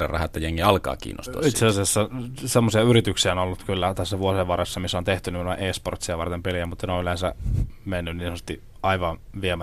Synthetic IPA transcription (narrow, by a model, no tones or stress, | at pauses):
ḛrɑ̰hɑet̪ːæjeŋːiɑlkɑ̰ːkḭːnːo̰st̪uɑ̰it̪seɑsiɑsːɑsemːosiɑyɾit̪yksiæonolːut̪kylːæt̪æsːæʋuoseʋʋɑrɑsːɑmisːont̪eht̪ynymenoḛʔeːsport̪siɑʋɑrt̪empeliæmut̪ːɑneonylensæmenːynninsonsest̪i | ɑiʋɑnʋiemæ